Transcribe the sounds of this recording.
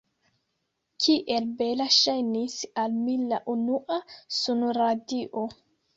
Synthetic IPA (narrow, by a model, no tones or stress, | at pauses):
kʰiʔelbelaʃajnisalmilːaʔunuʔasunuɾadiʔo